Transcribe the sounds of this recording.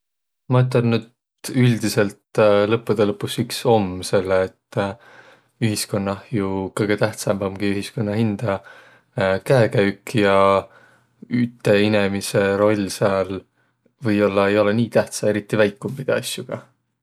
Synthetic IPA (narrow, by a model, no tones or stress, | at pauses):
mɑyt̪ːˑɑnnyd̪ | yld̪̥ise̞lt̪lɤpːˑud̪̥elɤpːˑusikso̞mse̞lːeːt̪ː | yɦisko̞nːɑhjukɤjɡ̥e̞t̪æht̪sɑmbɑmɡ̥iyɦisko̞nːɑɦind̪̥ɑ | kæekæɥkjɑ | yt̪ːˑe̞ine̞mise̞ɾo̞lʲseɑl | vɤjo̞lːɑe̞jo̞le̞niːt̪æht̪sɑe̞ɾit̪ːivæjkːˑumpid̪̥ɑɑsʲjuɡ̥ɑ